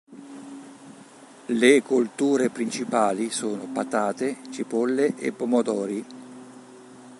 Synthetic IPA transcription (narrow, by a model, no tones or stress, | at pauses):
lekolt̪uːɾepɾint͡ʃipaːlisoːnopat̪aːt̪et͡ʃipɔlːeʔḛpːomod̪ɔːɾi